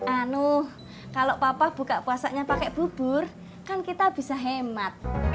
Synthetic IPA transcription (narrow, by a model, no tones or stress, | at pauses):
ʔanuh | kalopapahb̥ṳkaʔpuasaʔɲapakɛʔb̥ub̥ʊr | kankit̪ab̥i̤saɦemat̪̚